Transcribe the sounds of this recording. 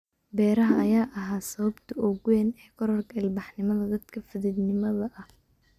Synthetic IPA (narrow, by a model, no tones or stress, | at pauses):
bɛːɾɐɦɐɐjaːʔɐɦaːsɐβɐbt̪ʰɐʔɔɣwɛːnɛhkʰɔɾɔrkʰɐɪlbɑħnɪmɐðɐd̪ɐd̪kʰɐfɪðɪd̪nɪmɐðɐʔɐh